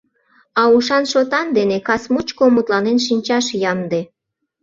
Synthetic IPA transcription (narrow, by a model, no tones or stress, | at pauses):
ɑuʃɑnʃot̪ɑnd̪enekɑsmut͡ɕkomut̪lɑnenʃinʲt͡ɕɑʃjɑmd̪e